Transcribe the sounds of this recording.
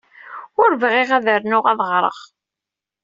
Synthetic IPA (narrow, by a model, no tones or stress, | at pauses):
ʊɾvʁiʁæðəɾnʊʁɑðˤəʁɾˤə̰ʁ